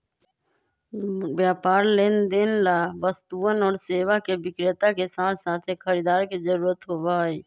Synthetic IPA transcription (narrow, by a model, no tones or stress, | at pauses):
bjaːpaːɾleːnd̪eːnlabəst̪uənɔːɾseːʋakebɪkɾɪt̪akesãːɾsaːt̪ʰekʰəɾiːd̪aːɾkid͡ʒəɾuːɾət̪ɦoːʋaiː